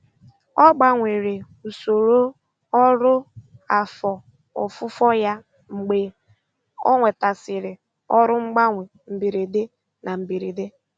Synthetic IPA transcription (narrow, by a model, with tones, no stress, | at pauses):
ɔ˦ɡ͡ba˨ŋʷe˨ɾe˨ | u˨so˨ɾo˦ | ɔ˦ɾʊ˦a˨fɔ˨ | ɔ̰˨fʊ˦fɔ˦ja˦ | ŋ͡m̩˨ɡ͡be˨ | ɔ̰˦ŋʷe˨ta˨sɪ˨ɾɪ˨ | ɔ˦ɾʊ˦ŋ͡m̩˦ɡ͡ba˦ŋʷe˨ | m̩˨bi˨ɾi˨dɪ˦ | na˨m̩˨bi˨ɾi˨dɪ˦